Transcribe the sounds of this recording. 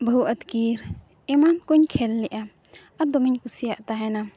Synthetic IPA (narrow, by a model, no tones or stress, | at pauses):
bəɦuʔət̪kiɾ | ɛmankuɲkʰɛlːɛʔa | ad̪ɔmiɲkusijaʔt̪aɦɛna